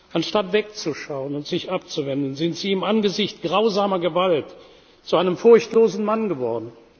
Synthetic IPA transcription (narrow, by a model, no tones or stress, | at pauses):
ʔanʃtatv̥ɛk̚t͡suʃaʊənʊntz̥ɪçʔap̚t͡suvɛndn̩zɪntz̥iːɪmanɡəzɪçtɡ̥ʁaʊzaːmɐɡəvalt | t͡suʔaɪnəmfʊɐçtloːzn̩manɡəvɔɐdn̩